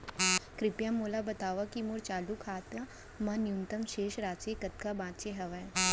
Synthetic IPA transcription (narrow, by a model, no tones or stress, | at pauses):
kɾɪpjamoːlabɐt̪aːʋakimʊɾt͡ʃaːlukʰaːt̪a | mɐ̃njunt̪əmʃeːʃɾaːt͡ʃekɐt̪̚kabãːt̪t͡ʃeɦɐʋa